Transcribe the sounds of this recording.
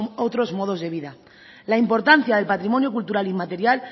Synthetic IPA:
ot̪ɾo̞zmo̞ð̞o̞zðe̞β̞iða | laimpo̞ɾt̪an̟θjaðe̞lpat̪ɾimõ̞njokult̪uɾalimat̪e̞ɾjal

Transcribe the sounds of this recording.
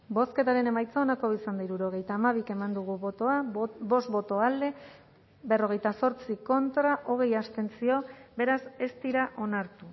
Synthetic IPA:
bo̞ske̞t̪aɾe̞ne̞majt͡saonako̞isand̪aiɾuɾo̞ɣ̞e̞jt̪aːmaβ̞ike̞mand̪uɣ̞uot̪oabo̞st̪bo̞t̪o̞ald̪e̞ | βe̞ro̞ɣ̞e̞jt̪aso̞ɾt͡siko̞nt̪ɾaʔo̞ɣe̞jast̪e̞nsio̞be̞ɾase̞st̪iɾaʔo̞naɾt̪u

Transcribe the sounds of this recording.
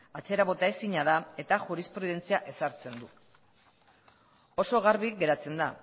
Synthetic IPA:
at͡seɾaβo̞t̪ae̞siɲað̞ae̞t̪aʝuɾispɾuð̞e̞nt͡siaʔe̞saɾt͡se̞nd̪u | o̞so̞ɣaɾβiɡe̞ɾat͡se̞nd̪a

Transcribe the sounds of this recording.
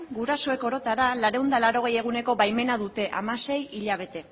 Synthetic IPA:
ɡuɾaso̞e̞ko̞ɾo̞t̪aɾalaɾe̞und̪alaɾo̞ɣ̞e̞je̞ɣ̞une̞ko̞βajme̞naðut̪e̞ʔa̰mase̞jiʎaβ̞e̞t̪e̞

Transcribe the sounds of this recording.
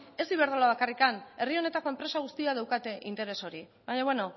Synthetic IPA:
e̞sd̪iβe̞ɾðolaβ̞akarikane̞rio̞ne̞t̪ako̞empɾe̞saɣ̞ust̪iaðewkat̪e̞ʔint̪e̞ɾe̞so̞ɾi | βaɲaβwe̞no̞

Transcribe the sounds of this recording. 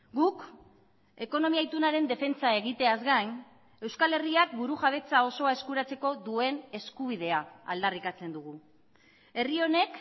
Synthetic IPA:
ɡuk | e̞ko̞no̞miajt̪unaɾe̞nd̪e̞fe̞nt͡sae̞ɣ̞it̪e̞azɡajn | e̞wskale̞riakbuɾuxaβ̞e̞t͡sao̞so̞ae̞skuɾat͡se̞ko̞ðue̞ne̞skuβ̞ið̞e̞aa̰ld̪arikat͡se̞nd̪uɣu | e̞rio̞ne̞k

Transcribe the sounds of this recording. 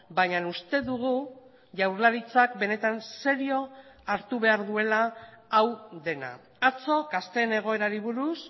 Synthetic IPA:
baɲanust̪e̞ðuɣ̞u | ʝawɾlaɾit͡sakbe̞ne̞t̪anse̞ɾio̞aɾt̪uβ̞e̞aɾðue̞laːwðe̞na̰ | at͡so̞kast̪e̞ne̞ɣ̞o̞e̞ɾaɾiβ̞uɾus

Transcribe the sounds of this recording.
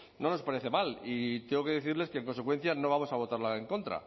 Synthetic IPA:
no̞no̞spaɾe̞θe̞malit̪eŋɡo̞ke̞ðe̞θiɾleskeːŋk̬o̞nsekwe̞n̟θjano̞βamo̞saβo̞t̪aɾlae̞ŋko̞nt̪ɾa̰

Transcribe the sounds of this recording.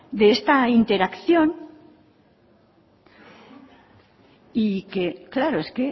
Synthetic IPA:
d̪eest̪aint̪e̞ɾakθjo̞n | ikeklaɾoeske

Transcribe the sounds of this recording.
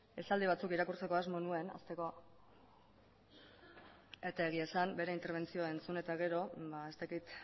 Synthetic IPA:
e̞sald̪iβ̞at͡sukiɾakuɾt͡se̞ko̞azmonue̞na̰st̪e̞ko̞ | et̪aeɣ̞iesambe̞ɾe̞int̪eɾβ̞e̞nt͡sio̞e̞nt͡sune̞t̪aɣe̞ɾo̞bae̞st̪akit̪

